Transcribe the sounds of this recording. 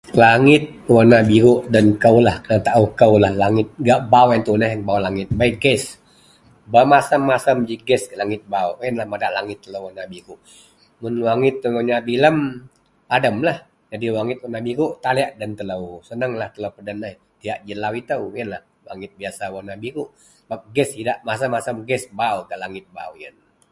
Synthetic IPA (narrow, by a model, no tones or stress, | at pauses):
laŋɪt̪̚wanabiɡuʔdənkəwlahkənat̪aʔuhkəwlahlaŋɪt̪̚ɡaʔbawant̪unəɦŋbawlaŋɪt̪̚baiɡɛs | bamasəmːasəmd͡ʒiɡɛskəlaŋɪt̪̚bauənlahmadaʔlaŋɪt̪ːələwanabiɡuʔ | mʊnwaŋɪt̪ːəŋoɲabiləm | padəmlah | d͡ʒadiwaŋɪt̪̚wanabikuʔt̪aliaʔdənt̪ələwsənəŋlaht̪ələwpədənːəh | t̪iaʔd͡ʒəlawit̪əwənlah | waŋɪt̪̚biasawanabikuʔ | bak̚ɡɛsidaʔmasəmːasəmɡɛsbauɡaʔlaŋɪt̪̚ba̰wjə̰n